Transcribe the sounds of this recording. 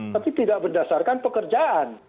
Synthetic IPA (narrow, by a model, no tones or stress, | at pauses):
apit̪idaʔbərdasarkanpəkərd͡ʒaʔan